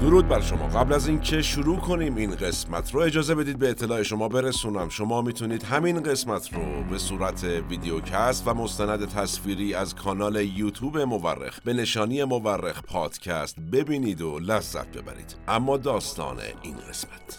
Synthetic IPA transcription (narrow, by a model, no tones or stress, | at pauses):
d̪̥oɾuːd̪̚bæɾʃo̞mɒ̰ːɣæblæzincʰe̞ʃuɾuːkʰo̞niːmiːnɢe̞smæt̪ʰɾoe̞d͡ʒɒːze̞be̞d̪iːd̪̚beːt̪ʰːe̞lɒːe̞ʃo̞mɒːbe̞ɾesuːnæmʃo̞mɒːmiːt̪ʰuniːd̪̥ɦæmiːnɢe̞smæt̪ʰɾobe̞suːɾæt̪ʰeviːd̪eocʰæst̪væmo̞st̪ænæd̪e̞t̪ʰæsfiːɾiːæzkʰɒːnɒːle̞juːt̪ʰuːbe̞mo̞væ̰rːḛxb̥e̞ne̞ʃɒːnijemo̞værːexpʰɒːd̪̥cʰæst̪be̞biːniːd̪olæzːæ̰t̪̚be̞̰bæ̰ɾḭːd̪̥ʔæmːɒːd̪ɒːst̪ɒ̰ːnḛḭːnɡe̞smæt̪ʰ